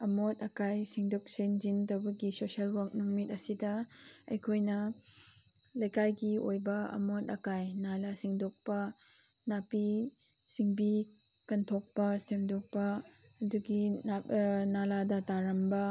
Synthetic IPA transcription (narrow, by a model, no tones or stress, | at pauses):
ɐmotɐkajsiŋdok̚send͡ʒintɐwbɐɡisosiɐlwak̚nuŋmit̚ɐsidɐ | ɐ̰jkʰojnɐ | lɐjkajɡiojbɐɐ̰mot̚ɐkajnalasiŋdok̚pɐ | napi | siŋbi | kɐntʰok̚pɐsemdok̚pɐ | ɐduɡianaladɐtaɾɐmbɐ